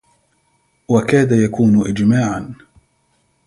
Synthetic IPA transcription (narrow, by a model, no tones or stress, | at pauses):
wakaːd̪ajakuːnʔɪd͡ʒmaːʕan